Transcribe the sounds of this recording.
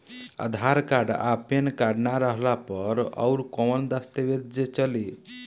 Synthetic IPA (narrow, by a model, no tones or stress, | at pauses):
a̰d̪ʱaɾkaɖa̰penkaɖnaɾəɦlapəɾɔ̰wɾkɔwənd̪ast̪ebed̪̚d͡ʒet͡ʃəli